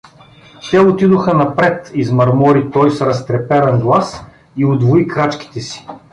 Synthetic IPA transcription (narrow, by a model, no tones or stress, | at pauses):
t̪ɛot̪id̪oxənɐpɾɛt̪izmɐɾmɔɾit̪ɔjsɾɐst̪ɾɛpɛɾɐnɡlˠas | iod̪voikɾat͡ʃki̥t̪ɛsi̥